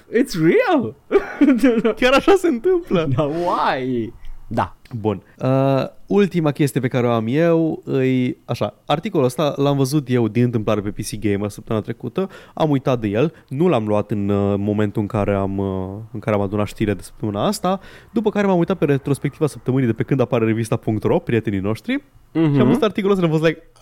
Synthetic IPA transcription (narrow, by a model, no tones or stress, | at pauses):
it̪sriəl | kʲaɾaʃase̞ɨnt̪ɨmpləd̪awajd̪a̰bun | əult̪imakʲes̬t̪ijepe̞kaɾeoamje̞wɨjaʃa̰art̪iko̞luəst̪alamvəzut̪je̞wd̪inɨnt̪̬ɨmplaɾepe̞pisiɡejməsəp̚t̪əmɨnat̪ɾe̞kut̪əa̰mujt̪at̪̚d̪eje̞l | nulamluat̪ɨnmo̞me̞nt̪uɨŋkaɾe̞aməɨŋkaɾe̞amad̪unat̪ʃt̪iɾed̪esə̥p̚t̪əmɨnaast̪ad̪upəkaɾe̞mamujt̪at̪̚peɾet̪ɾo̞spekt̪ivasəp̚t̪əmɨnijd̪e̞pekɨnd̪apaɾeɾe̞vist̪apuŋkt̪ro̞pɾie̞t̪e̞nino̞ʃt̪ɾi | ʃiamvəzut̪art̪ikoluoəst̪ːlamfost̪lajk̚